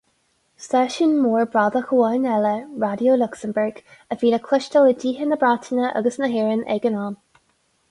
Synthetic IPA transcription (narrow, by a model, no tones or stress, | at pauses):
sɛʃənmuːɹbɹad̪əxəɑnɛləɹadjoːlʊksəmbəɹɡəviːləkʰlɪʃtələdiːɦənəbɹatʰənəʔə̰ɡəsnəɦɪːɹənɛ̰ɡənɑːn